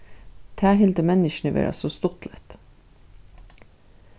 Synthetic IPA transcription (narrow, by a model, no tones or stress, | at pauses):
t̪ʰæːɦɪld̪əmɛnɪʃɳəʋḛːɾʔɑ̰sost̪ʊt̪lɛt̪